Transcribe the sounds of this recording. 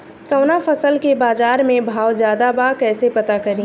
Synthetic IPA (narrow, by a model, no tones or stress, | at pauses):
kɐʊnafɐsəlkebaːzaːɾmẽbʱaːwd͡ʒjaːd̪abakɛːsepɐt̪akɐɾĩ